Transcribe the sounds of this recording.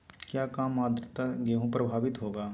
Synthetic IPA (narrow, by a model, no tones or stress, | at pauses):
kjaːkaːmaːd̪ɾɪt̪aɡeɦũpɾəbʱaːʋɪt̪ɦoːɡaː